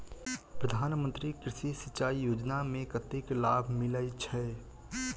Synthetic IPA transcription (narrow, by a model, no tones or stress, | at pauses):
pɾəd̪ʱaːnmə̃nt̪ɾikɾɪʃisɪt͡ʃaːijoːd͡ʒnamẽkət̪iklaːbʱmɪləjt͡ʃʰɛ